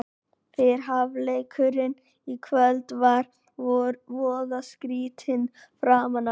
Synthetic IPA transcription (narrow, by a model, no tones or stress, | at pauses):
fɪɾ̥ɦavlejkʰʏɾɪn | ikʰvœlt̪vaɾ | ɾvɔːðaskɾiːt̪ʰɪn | fɾamana